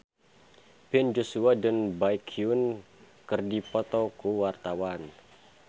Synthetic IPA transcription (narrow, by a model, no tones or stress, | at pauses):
b̥ɛnd͡ʒosuadənbajkʰiun | kɨrdipɔt̪ɔkuwart̪awan